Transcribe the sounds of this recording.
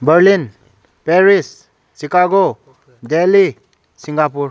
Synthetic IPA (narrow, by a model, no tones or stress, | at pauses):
bəɾlin | peɾis | sikaɡo | deli | siŋɡapuɾ